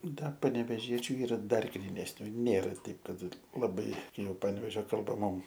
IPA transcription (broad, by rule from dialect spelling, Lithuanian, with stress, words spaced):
ˈdɐ pɐnʲɛʋʲɛˈʒʲiɛt͡ʃʲʊ ˈiːrɐ ˈdɐr ɡrʲiːnʲɛsʲˈnʲuː ˈnʲeːrɐ ˈtʲɛɪp ˈkɐt lˠɐˈbɐɪ ˈjɛʊ ˈpɐnʲʋʲɛʒʲoː kɐlˠˈbɐ ˈmʊm